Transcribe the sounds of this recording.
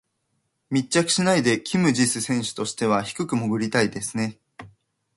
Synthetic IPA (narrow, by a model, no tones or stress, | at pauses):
mʲitt͡ɕːakɯ̟̥ɕinaid̪e̞kʲimɯ̟ʑisɨsẽ̞ɰ̃ɕɨ̥t̪o̞ɕi̥t̪e̞β̞açi̥kɯ̟kɯ̟mo̞ɡɯ̟ɾʲit̪aid̪e̞sɨne̞